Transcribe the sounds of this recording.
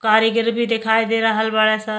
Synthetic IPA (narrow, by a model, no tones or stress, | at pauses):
kaɾəɡɾbʱid̪ekʰajd̪eɾəɦəlbaɭesə̃